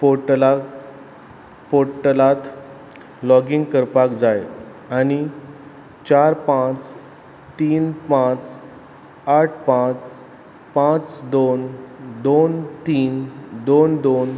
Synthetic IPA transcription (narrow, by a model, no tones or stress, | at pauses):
poʈəla | poɾʈəlat̪ | lɔɡiŋɡkəɾpakd͡zaj | ani | t͡ɕaɾpãt͡s | t̪iːnpãt͡s | aʈʰpãt͡s | pãt͡sd̪ond̪ont̪iːnd̪ond̪on